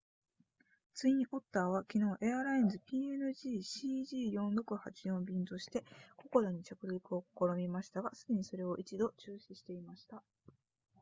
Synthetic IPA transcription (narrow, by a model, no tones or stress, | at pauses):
t͡sɨĩɰʔo̞t̪ːaːβ̞akʲino̞ːʔe̞aɾainzɨpʲiːenɯ̟ʑiːɕiːʑiːjõ̞nɾo̞kɯ̟hat͡ɕijõ̞mbʲĩnt̪o̞ɕi̥t̪e̞ko̞ko̞d̪oɲ̟it͡ɕakɯ̟ɾʲikɯ̟o̞ko̥ko̞ɾo̞mʲimaɕi̥t̪aɡasɨ̥kʲiɲ̟iso̞ɾe̞o̞ʔit͡ɕid̪o̞t͡ɕɨːɕiɕi̥t̪e̞imaɕi̥t̪a